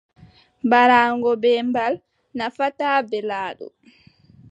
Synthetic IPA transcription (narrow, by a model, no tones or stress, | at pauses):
baɾaːŋɡɔbɛmbal | nafataːbɛlaːɗɔ̰